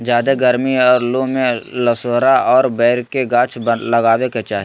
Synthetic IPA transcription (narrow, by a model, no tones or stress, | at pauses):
d͡ʒaːd̪eɡɐɾmiɔːɾlomẽlɐsoːɾaɔːɾbɛːɾkeɡãːt͡ʃʰblɐɡaːweket͡ʃaːɦi